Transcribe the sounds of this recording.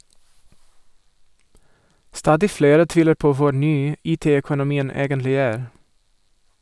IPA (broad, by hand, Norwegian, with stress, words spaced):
ˈstɑːdɪ ˈfleːɾə ˈtʋiːləɾ ˈpoː ˈʋʊ ˈnyː ˈiːˌteː ɛkʊnʊˈmiːən ˈeːɡənlɪ ˈæːɾ